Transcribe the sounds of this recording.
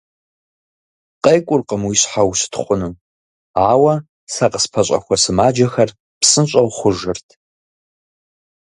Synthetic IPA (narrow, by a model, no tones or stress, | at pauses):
qʼejkʷʼʊrqəmwiɕħawsɨ̥tʰχʷʼʊnɨ | aːwɐ | sɐqəspʰɐɕʼɐ̰xʷɐsɨmaːd͡ʒɐxɐr | psɨnɕʼɐwχʷʊʒɨrtʰ